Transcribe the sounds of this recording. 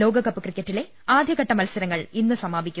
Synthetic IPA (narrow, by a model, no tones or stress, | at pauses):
lo̞ːɡɐkɐpːɨkrikːɐʈːile̞ | aːd̪ʱjɐɣɐʈːɐmɐlsɐɾɐŋːɐɭinːɨsɐmaːbʱikʲːu